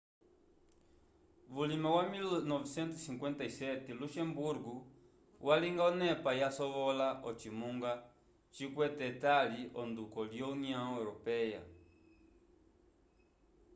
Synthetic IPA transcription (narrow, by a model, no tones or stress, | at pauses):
βulimawamilnɔvisɛnt̪usiŋkwɛntaisɛtɛluʃɛmbuɾɡu | wʔaliŋɡaɔnɛpajasɔβɔlaʔɔt͡ʃimuŋɡa | t͡ʃikwɛtɛtaliʔɔndukɔljɔuniãɾɔpɛja̰